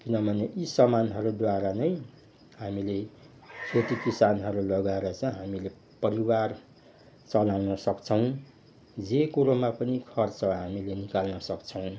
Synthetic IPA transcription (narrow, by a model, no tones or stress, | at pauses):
kinʌbʱʌneʔisʌmanɦʌɾud̪waɾanʌj | ɦamile | sot̪ikisanɦʌɾulʌɡaeɾʌt͡sʌ̃ɦamile | pʌɾiwar | t͡sʌlawnʌsʌkt͡sʰʌw̃ | d͡zekuɾomapʌnikʰʌrt͡sʌɦamilenikalnʌsʌkt͡sʰʌw̃